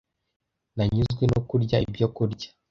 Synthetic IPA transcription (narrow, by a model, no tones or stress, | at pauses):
naɲizɡwenokuɾɟaḭbjokuɾɟḁ